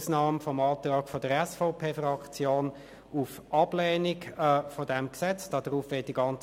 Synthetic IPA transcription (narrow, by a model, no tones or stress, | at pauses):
snɑːmfɔmɑːt̪ʁɑːkfodəɾɛsfaʊpʰeːfrɑkt͡sjoːn | ufʔɑb̥lɛːnikɛfodɛmksɛt͡sd̥ɑd̥əʁuːfʋɪt̚d̥iɡɑnt͡s